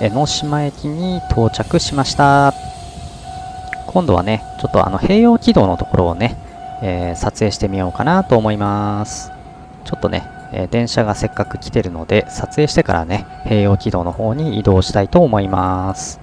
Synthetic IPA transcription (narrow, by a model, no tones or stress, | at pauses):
eno̞ɕimae̞kʲiɲ̟it̪ʰo̞ːt͡ɕakɯ̟ɕimaɕi̥t̪a | kʰõ̞nd̪o̞βa̰net͡ɕo̞t̪ːo̞̰a̰no̞he̞ːjo̞ːkʲid̪o̞ːno̞t̪o̞̥ko̞ɾʔo̞ːne̞ | eːsat͡sɨe̞ːɕi̥t̪e̞mʲijo̞ːkanat̪o̞ːmo̞imasɨ̥ | t͡ɕo̞t̪ːo̞̰ne̞̰ | ḛːd̪ẽ̞ɰ̃ɕaɡase̞kːakɯ̟kʲi̥t̪e̞ɾɯ̟no̞d̪e̞sat͡sɨeːɕi̥t̪e̞ka̰ɾa̰ne̞ | he̞ːjo̞ːkʲid̪o̞ːno̞ho̞ːɲ̟iːd̪o̞ːɕi̥t̪ait̪o̞ːmo̞imasɨ̥